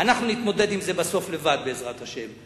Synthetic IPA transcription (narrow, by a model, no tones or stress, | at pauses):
anaχnunit̪mo̞d̪e̞d̪imze̞baso̞fle̞vad̪̚beːzʁat̪haʃe̞m